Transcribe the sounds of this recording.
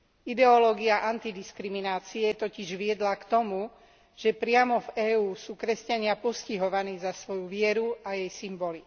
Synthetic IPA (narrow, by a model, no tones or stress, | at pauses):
id̪ɛɔlɔːɡiaʔant̪id̪iskɾiminaːt͡siɛt̪ɔciʒʋɪɛd̪lakt̪ɔmu | ʒ̥ɛpɾɪamɔvɛːuːsuːkɾɛscaɲɪapɔsciɦɔʋaniːzasʋɔjuʋɪɛɾuajɛjsimbɔli